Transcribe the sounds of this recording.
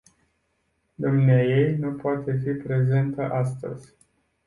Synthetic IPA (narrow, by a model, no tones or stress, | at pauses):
d̪umneaje̞jnupoat̪e̞fipɾe̞ze̞nt̪əʔast̪ə̰z̥ʲ